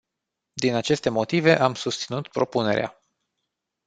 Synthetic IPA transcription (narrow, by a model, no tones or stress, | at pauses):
d̪inat͡ʃe̞st̪e̞mo̞t̪ive̞ʔamsust̪sinut̪pɾo̞pune̞ɾea̰